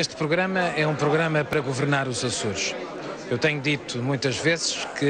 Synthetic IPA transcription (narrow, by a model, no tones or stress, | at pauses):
eʃt̪pɾuɣɾɐmɐɛũpɾuɣɾɐmɐpɐɾɐɣuvɨɾnaɾuzɐsuɾʃ | ewt̪ɛɲud̪it̪umũj̃t̪ɐʒvezʃkɨ